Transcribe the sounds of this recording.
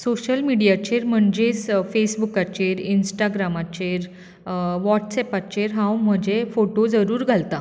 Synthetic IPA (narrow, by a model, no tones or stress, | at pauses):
soɕəlmiɽijat͡ɕeɾm̤əɳd͡ʑesfesbukat͡ɕeɾinsʈaɡɾamat͡ɕeɾ | ʋɔʈsɛpat͡ɕeɾɦãwm̤əd͡ʑefoʈod͡zəɾuːɾɡʱalt̪a